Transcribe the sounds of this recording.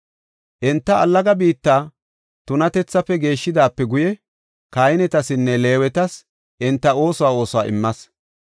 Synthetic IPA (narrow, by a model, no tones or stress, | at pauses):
ʔɛnt̪ːɐɐlːɐɡɐbiːt̪ːaː | t̪ʊnɐt̪ɛt͡sːɐfɛɡe̞ːʃːɪd̪aːpːɛɡʊjɛ | kajɪnɛt̪ɐsɪnːɛle̞ːwɛt̪ɐs | ʔɪnt̪ːɐo̞ːsɔwaːo̞ːsʊwa̰ːʔɪ̰mːɐs